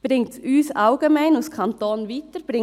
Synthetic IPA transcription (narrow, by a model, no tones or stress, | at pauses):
b̥ɾɪŋtsyːsɑʊɡ̥ɛmæɪnuskʰɑnt̪oːnviːtəɾb̥ɾɪ